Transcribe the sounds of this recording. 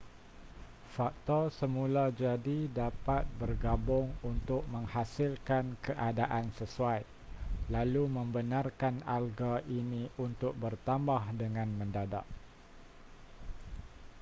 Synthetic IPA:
fak̚t̪ɔrsəmulad͡ʒadidapat̪̚bərɡabʊŋunt̪ʊk̚mə̃ŋhasɪlkankəʔadaʔansəsuaj | lalumə̃mbənãrkana̰lɡaʔinĩʔunt̪ʊk̚bərt̪ambahdəŋãnmə̃ndada̰ʔ

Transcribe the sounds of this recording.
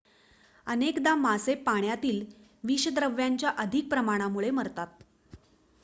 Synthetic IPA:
ənekd̪amasepːaɳ̃jat̪iːl | ʋiɕəd̪ɾəʋjaɲt͡ɕjaʔəd̪ʱik̚pɾəmaɽ̃amuɭeməɾt̪at̪̚

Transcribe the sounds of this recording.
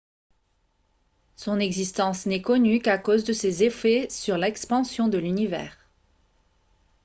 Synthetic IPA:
sɔ̃nɛɡzist̪ɑ̃snɛkɔnykakozd̪əsezefɛsyʁlɛkspɑ̃sjɔ̃d̪əlynivɛ̰ːʁ

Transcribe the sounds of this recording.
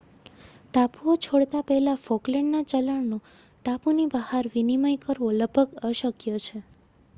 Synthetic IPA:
ʈapuot͡ʃʰoɽt̪apɛɦlafokleɳɖnat͡ʃəlaɽno | ʈapunibəhaɾʋinimajkəɾʋoləbəkəʃəkjot͡ʃʰe

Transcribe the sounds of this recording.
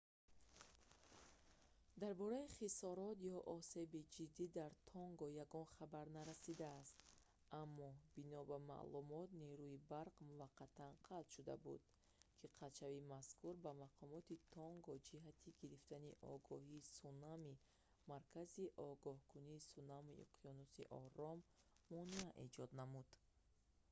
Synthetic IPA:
d̪aɾbɔɾaiχisɔɾɔt̪jɔʔɔse̞bid͡ʒid̪ːid̪aɾt̪ʰɔŋɡɔjaɡɔnχabaɾnaɾasid̪aːst̪ | ʔamːɔb̥inɔbama̰ʔlumɔt̪niɾuibaɾqmuvaqʰːat̪ʰanqʰalt̪ʃud̪a̰bṵd̪̥̚ | kʰiqʰat͡ʃʰavimaskuɾbamaqʰɔmɔt̪it̪ʰɔŋɡɔd͡ʒiɦat̪ʰiɡiɾift̪aniʔɔɡɔhiːsunami | maɾkʰaziʔɔɡɔhkʰuniːsunamḭʔqʰijɔnusḭʔɔ̰ɾɔmːɔniaʔed͡ʒɔd̪namud̪̥

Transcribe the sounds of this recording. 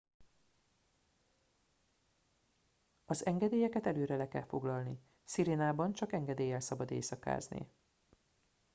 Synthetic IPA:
ɒzɛŋɡɛd̪eːjɛkɛt̪ɛløːɾɛlɛkɛ̰lfo̞ɡlɒlni | siɾeːnaːbɒnt͡ʃɒkɛŋɡɛd̪eːjɛlsɒbɒd̪ḛːsɒka̰ːznḭ

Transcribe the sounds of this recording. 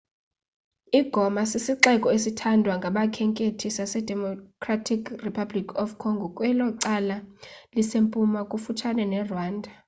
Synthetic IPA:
iɡ̥ʱɔmasisiǁɛkʼɔesitʰandʱwaŋɡʱaɓakʰɛŋkʼetʰisasɛdʱɛmɔkʰratʰikʰripʰablikʰɔfkʰɔŋɡʱɔkʼwɛlɔǀalalisempʼumakʼufutʰanɛnɛrwaːndʱa

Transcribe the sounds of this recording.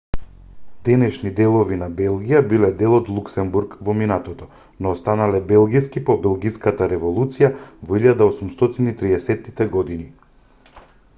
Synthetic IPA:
d̪ɛnɛʃnid̪ɛlˠɔvinabɛlˠɡijabilɛd̪ɛlˠɔd̪lˠuksɛmbuɾkvɔminat̪ɔt̪ɔ | nɔːst̪analɛbɛlˠɡiskipɔbɛlˠɡiskat̪aɾɛvɔlˠut̪sijavɔiʎad̪aosumst̪ɔt̪init̪ɾiɛsɛt̪ːit̪ɛɡɔd̪ini

